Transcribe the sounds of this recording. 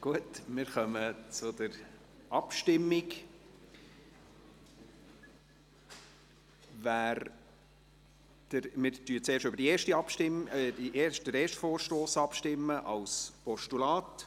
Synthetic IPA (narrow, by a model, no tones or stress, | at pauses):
ɡ̥uətmɪɾχœmət͡sʊd̪əɾ | ʔɑpʃtɪmːɪk | væːɾ | d̥əɾmɪɾtyːət͡seːɾʃʏbəɾd̥ieːʃtiɑpʃtɪmdiʔeːʃd̥əɾeːʃtfoːɾʃtoːsɑpʃtɪmːəʔɑlspɔʃtulɑːt